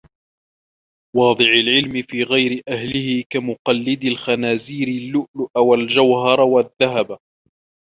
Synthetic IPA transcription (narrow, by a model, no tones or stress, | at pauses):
wɑːd̪ˤɨʕalʕɪlmɪfiːɣajɾɪʔahlɪhɪkamʊqɑlːɪd̪alxanaːziːɾɪlːʊʔlʊʔawald͡ʒawhɑɾˤwaðːaɦab